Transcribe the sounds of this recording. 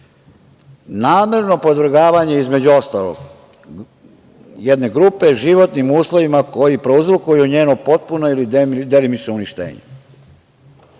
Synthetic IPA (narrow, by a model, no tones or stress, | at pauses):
naːme̞ɾno̞po̞d̪ʋɾ̩ɡaːʋaɲe̞izme̞d͡ʑuo̞st̪alo̰ɡ | jɛd̪ne̞ɡɾupeʒiʋo̞t̪nimuːslˠo̞ʋimako̞jipɾeuzɾukujuɲeːnopo̞t̪̚punoilid̪elimit͡ʃnouniʃt̪ḛːɲḛ